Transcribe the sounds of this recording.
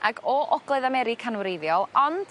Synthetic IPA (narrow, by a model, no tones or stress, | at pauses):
aɡɔʔɔɡlˠɛðamɛɾɪkʰanwɾejðjɔlˠɔnd̥